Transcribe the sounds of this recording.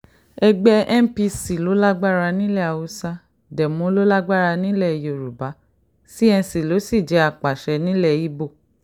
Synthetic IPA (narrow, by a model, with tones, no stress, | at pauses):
ɛ˧ɡ͡bɛ˧ʔɛ˦m̩˦pi˧si˨lo˨˦la˦ɡ͡ba˦˨ɾa˧nĩ˦lɛ˦˨a˨wo˧sa˧ | dɛ˨mũ˨˦lo˦la˦ɡ͡ba˦˨ɾa˧nĩ˦lɛ˦˨jo˨ɾu˨ba˨˦ | si˦ɛ̃˧si˨lo˨˦si˦˨d͡ʒɛ˨˦a˧˨k͡pa˨ʃɛ˧nĩ˨˦lɛ˦˨i˦bo˦˨